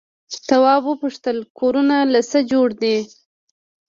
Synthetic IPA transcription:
t̪awɑbwəpuʂt̪əlkʰoɾunalasəd͡ʒoɽd̪i

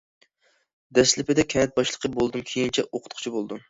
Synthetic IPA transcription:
d̪ɛslɪpɪd̪ɛkʲʰɛnɛt̪̚bɑʃlˠəqʰəbolˠd̪ɨmkʲʰejint͡ʃʰɛʔoqʰʊ̥t̪̚qʰʊ̥t͡ʃʰibolˠd̪ɨm

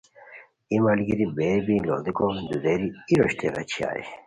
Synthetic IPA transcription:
imɐlɡiɾibeːɾbilo̰d̪ikod̪ud̪eɾiiɾoɕt̪ʰeɣɐ̰t͡ɕʰia̰ːj̰

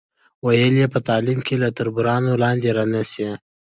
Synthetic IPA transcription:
wajəljepət̪ɑːlimkelat̪aɾbuɾɑnolɑnd̪eɾanase

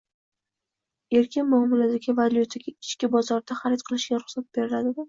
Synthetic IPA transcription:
e̞ɾkʲʰɪnmahmʊlad̪aɡʲɪvalʲjut̪ʰaɡʲaɪt͡ʃkʲɪbɒzɒɾd̪aχaɾɪt̪qʰɨlˠɪʃɡʲaɾʊχsat̪̚b̥e̞ɾɪlad̪ɪd̪ɪ

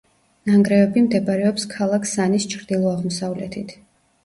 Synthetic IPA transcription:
naŋɡɾɛvɛbimd̪ɛbaɾɛɔpskʰalˠakʰsanist͡ʃʰɾd̪̥ilˠɔaʁmɔsavlɛ̰t̪ʰit̪ʰ

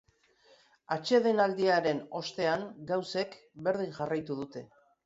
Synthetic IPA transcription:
at͡ʃe̞ðe̞nald̪iaɾe̞no̞st̪e̞aŋɡawse̞k | be̞ɾð̞iŋʝarajt̪uðut̪e̞

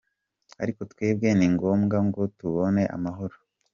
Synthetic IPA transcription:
a̰ɾiko̞tweːb̚ɡe̞niŋɡo̞ːmɡaŋɡo̞tuβo̞ne̞ʔa̰maɦoɾo

